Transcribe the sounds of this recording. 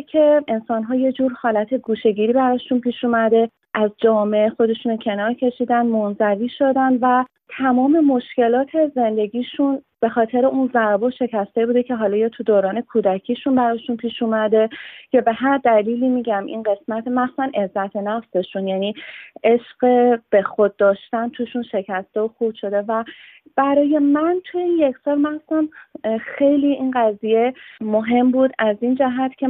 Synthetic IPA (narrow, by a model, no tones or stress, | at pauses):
kʰe̞ʔensɒːnɦɒːje̞d͡ʒuːɾxɒːlæt̪ʰe̞ɡuːʃe̞ɟiːɾiːbæɾɒːʃunpʰiːʃuːmæd̪e̞ | ʔæzd͡ʒɒːmeʔexo̞d̪e̞ʃuːnocʰenɒːɾcʰe̞ʃiːd̪ænmonzæviːʃo̞d̪ænd̪væ | t̪ʰæmɒːme̞mo̞ʃce̞lɒːt̪ʰe̞ze̞nd̪e̞ɡiːʃunb̥e̞xɒːt̪ʰe̞ɾeʔunzæɾboʃe̞cʰæst̪ebuːd̪e̞cʰe̞ɦɒːlɒːjɒːt̪ʰud̪oːɾɒːne̞kʰuːd̪æcʰiːʃunbæɾɒːʃunpʰiːʃuːmæd̪e̞cʰebe̞ɦæɾd̪æliːliːmiːɟæmʔḭnɢe̞smæt̪ʰemæxssænʔe̞zːæt̪ʰenæfse̞ʃunjæniːʔe̞ʃɢeb̥e̞xod̪̚ːɒːʃt̪ænt̪ʰuʃunʃe̞cʰæst̪eoxubʃo̞d̪e̞væ | b̥æɾɒːje̞mænt̪ʰujije̞cʰsɒːɾmæχsæmxe̞jliːinɢæzije̞moɦe̞mbuːd̪æzind͡ʒæɦæt̪ʰcʲʰe